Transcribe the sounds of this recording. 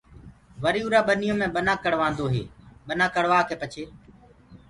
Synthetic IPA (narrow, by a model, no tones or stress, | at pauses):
ʋəɾiːuːɾaːɓənɪjõːmẽːɓənaːkəɽʋãːnd̪oːɦḛːɓənãːkəɽʋaːkeːpət͡ʃʰeː